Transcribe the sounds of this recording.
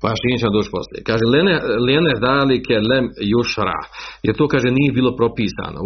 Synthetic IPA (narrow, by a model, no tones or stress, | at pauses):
paʃijet͡ɕemod̪oːt͡ʃpo̞̰sljḛkaːʒeleneljened̪aːlikelemjuʃɾa̰jeɾt̪oːkaːʒeniːjebiːlˠo̞pɾo̞piːsa̰ːno̰